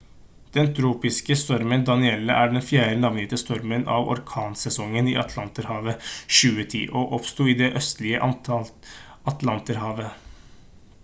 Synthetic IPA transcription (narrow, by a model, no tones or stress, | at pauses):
d̪̥ɛnt̪ʰɾuːpɪskəst̪ɔɾmənd̪ɑnɪɛlːə̰ʔæːɖɛnfjæːɾənɑʋnɪt̪əst̪ɔɾmənɑ̰ʋɔ̰ɾkʰɑːnsɛsɔŋːənḭːɑt̪ʰlɑnt̪əɾhɑːʋəʃʉːət̪ʰḭːʔɔʔɔpst̪uːɪd̪ɛʔœst̪lɪəʔɑnt̪ɑlt̪ | ɑt̪lɑnt̪əɾɦɑːʋə